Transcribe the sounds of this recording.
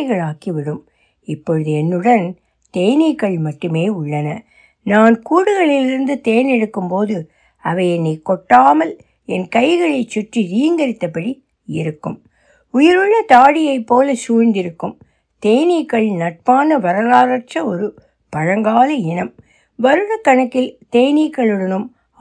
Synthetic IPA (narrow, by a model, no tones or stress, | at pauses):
ɪɣɐɭaːkiʋɪɽɯm | ɪpːɔɻɯðɯɛnːɯɽɐn | t̪ejnikːɐɭmɐʈːɯmeːʊɭːɐnɐ | naːnkuːɽɯɣɐɭɪlɪɾɯnd̪ɯt̪ejɐnɛɽɯkːɯmpoːðɯ | ɐʋɐjɛnːikːɔʈːaːmɐl | ɛnkɐɪɣɐɭɐɪt͡ʃːʊʈriɾiːŋɡɐɾɪt̪ːɐpːɐɽi | ɪ̰ɾɯkːɯ̰m | ʊjɪɾɯɭːɐt̪aːɽɪjɐɪpːoːlɐsuːnd̪ɪɾɯkːɯm | t̪ejnikːɐɭnɐʈ̚paːnɐʋɐɾɐlaːɾɐʈt͡ʃrɐɔɾɯ | pɐɻɐŋɡaːlɐɛnɐm | ʋɐɾɯɽɐkːɐɳɐkːɪlt̪ejnikːɐɭɯɽɐnɯm